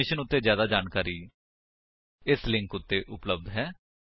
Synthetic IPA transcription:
ɪʃənʊt̪ːeːzjaːd̪aːd͡ʒaːnkaːɾiː | ɪslɪ̃ŋkʊt̪ːeːʔʊpləb̚d̪ɦɛː

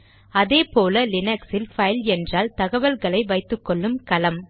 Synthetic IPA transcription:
ɐðeːpoːlɐlɪnɛksɪlfɐɪlɛndraːlt̪ɐɣɐʋɐlɣɐɭɐɪʋɐɪt̪ːɯkːɔɭːɯmkɐlɐm

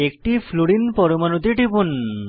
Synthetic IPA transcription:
ekʈifʰluɽinpɔɾomanot̪̬iʈipun

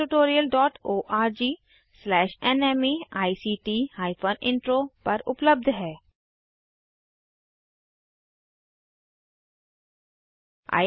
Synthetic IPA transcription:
uʈoːɾijəlɖɔːʈoːʔaːɾd͡ʒiː | slɛːʃɛnɛmiaːisiːʈiːhaːɪpʰoːnɪ̃ɳʈɾoːpɐɾʊ̰pləb̚d̪ʱɦɛː | a̰ː

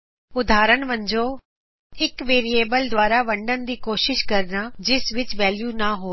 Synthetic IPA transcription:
ʊd̪ʱaːɾənʋə̃ɲd͡ʒoː | ɪkʋeːɾieːbəld̪ʋaːɾaʋɐ̃ɳɖənd̪iːkoːʃɪʃkɐɾnad͡ʒɪsʋɪt͡ʃʋɛːljunaɦoː

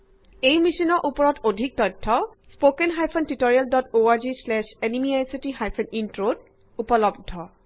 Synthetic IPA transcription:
ejmisinɔʔupɔɹɔtʰodʱik̚tɔjtʰːɔ | spokɛnɦajpʰɔntitoɹialdɔtoaɹzislɛʃenimiajsitiɦajpʰɔnintɹod | upɔlɔb̚dʱɔ

